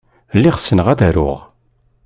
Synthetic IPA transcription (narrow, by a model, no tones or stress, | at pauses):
lːiʁsːənəʁæðæɾʊ̰ʁ